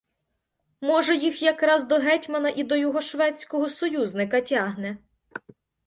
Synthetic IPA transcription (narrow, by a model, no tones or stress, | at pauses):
mɔʒɛjixjɐkɾɑzd̪ɔɦɛtʲmɐnɐʔid̪ɔjɔɦɔʃʋɛt͡sʲkɔɦɔsɔjuznɪkɐtʲɑɦnɛ